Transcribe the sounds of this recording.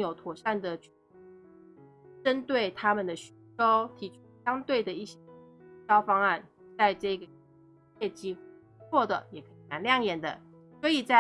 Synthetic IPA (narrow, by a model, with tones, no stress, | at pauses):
jo˨˩ʊt̪ʰwɔ˨˩ʂa˥˩nd̪ə˩t͡ɕ | ʈ͡ʂə˦nt̪we˥˩ɪt̪ʰa˥mə˨nd̪ə˩ɕy˧˥ʈ͡ʂo˥ʊt̪ʰi˨˩ʈ͡ʂʰu˥ɕjɑ˥ŋt̪we˥˩ɪd̪ə˩i˥˩ɕɕjɑ˥ʊfɑ˥ŋa˥˩n | t͡sa˥˧ɪʈ͡ʂɤ˥˩ɡə˩˥ | ɛ˥˩t͡ɕi˥ | t͡sʰwɔ˥˩d̪ə̰˩jɛ˨˩kʰɤ˧˥i˨˩na˧˥nljɑ˥˨˩ŋjɛ˨˩nd̪ə̰˩ | swɔ˧˥i˨˩t͡sa˥